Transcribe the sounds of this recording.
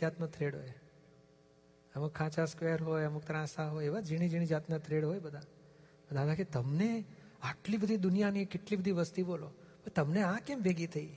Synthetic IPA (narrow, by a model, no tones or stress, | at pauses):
at̪not̪ʰɾeɽɦo̰j | əmukʰːãt͡ʃaskʋeəɾɦojəmukt̪ɾãsaɦojeʋad͡ʒiɽ̃id͡ʒiɽ̃id͡ʒat̪nat̪ʰɾeɽɦojbəd̪ʱa | bəd̪ʱat̪ʰaket̪əmne | aʈlibəd̪ʱid̪ʊnijanikɪʈlibəd̪ʱiʋəst̪ibolopət̪əmneãkemʋeɡit̪ʰəi